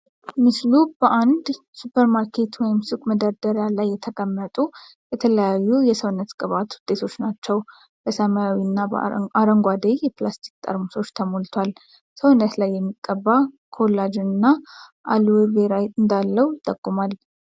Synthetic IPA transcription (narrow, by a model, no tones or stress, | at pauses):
mɨslub̥əʔand̪ | supʰəɾmaɾkʰe̞t̪wɔjɪmsukʼməd̪əɾd̪əɾjalajːɛt̪ʰəkʼəmːət̪ʼu | bɛt̪ʰələjajːujɛsəwnːət̪kʼɨβat̪wʊd̪̥ʼe̞t̪ʰo̞t͡ʃːnat͡ʃːɛw | b̥əsəmajawinːaaɾəŋɡʷad̪ejjɛplast̪ʰi̥kt̪ʼə̰ɾmuso̞t͡ʃːt̪ʰəmolt̪ʰwal | səwnːət̪lajːɛmːikʼːəbːa | kʰolːad͡ʒnɨnːaʔa̰luweβeɾajt̪ʼɨnd̪alːəwt̪ʼəkʼːumal